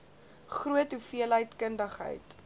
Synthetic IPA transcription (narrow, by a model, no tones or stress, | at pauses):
χruətɦufiəlɦəjtkəndəχɦə̰jt